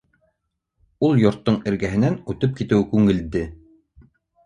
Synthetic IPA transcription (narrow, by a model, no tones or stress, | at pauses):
ulˠjŏɾt̪ːɤɴɘ̆ɾɡæɦɘ̆nænʉt̪ɘp̚kit̪ɘwkʉŋɘ̆ld̪ɘ